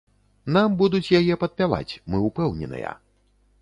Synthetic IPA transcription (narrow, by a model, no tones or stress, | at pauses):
nambud̪ut͡sʲjajɛpɐt̪̚pʲava̰t͡sʲmɨupɛwnʲɛ̰nɨ̰jɐ̰